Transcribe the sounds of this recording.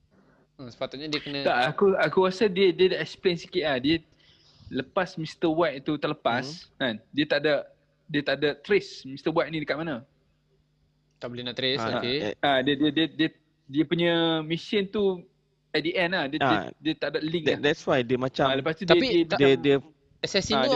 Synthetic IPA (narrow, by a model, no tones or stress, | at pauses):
əsə̥pat̪ʊt̪̚ɲadiəkənət̪aʔakuakuɣasadiədiədaʔɛksplensi̥kɪt̪ʔ̚lahdiə | ləpasmist̪əwaʔ̪̚it̪ut̪ərləpaskandiət̪aʔdaʔ | diət̪aʔdaʔt̪ɾesmist̪əbwaʔinĩdəkat̪ʔ̚manə | t̪aʔbolenaʔt̪ɾɪsaadiədiədiədiə | diəpuɲəmisənt̪u | ɛdiʔɛnahdiədiət̪aʔdaʔliŋadɛtswajdiəmat͡ʃaaləpast̪ud̪aiəiədədiə | ɛsɛsi